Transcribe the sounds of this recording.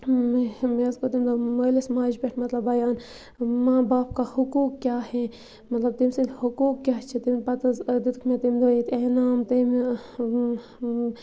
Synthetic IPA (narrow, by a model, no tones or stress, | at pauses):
mmezkot̪imd̪omɐːlismaːd͡ʒbeʈʰmɐt̪lɐbɐjaːn | mãːbaːpkahukuːkkjaːhe | mɐt̪lɐb̚t̪imsilhukuːkkːjaːt͡ʃʰit̪impɐt̪zd̪it̪kʰmẽt̪imd̪oit̪eːnaːmt̪im